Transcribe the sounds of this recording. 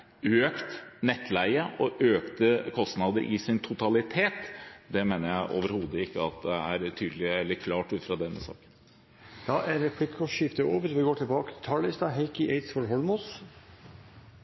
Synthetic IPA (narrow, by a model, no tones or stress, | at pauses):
øːkt̪nɛt̪ːʰlæɪəʔɔʔøːkt̪əkʰɔst̪nɑːd̪əɾʔɪ̰sɪnt̪ʰʊt̪ɑlɪt̪ʰeːt̪d̪ɛmeːnəɾjæɪʔo̰ːʋəɾhuːd̪əɪkːəɑt̪̚d̪ɛæɾt̪ʰyːd̪əlɪɛlːəɾkʰlɑːʈʉːt̪fɾɑd̪ɛnːə̰sɑ̰ːkə̥n | d̪ɑʔæɾɛpʰlɪkːɔʃɪft̪əoːʋəɾʋɪɡoːʈʰɪlbɑːkə̥t̪ʰɪt̪ʰɑlɪst̪ɑɦeɪkɪʔeɪt̪sfɔɾɦɔlmʊs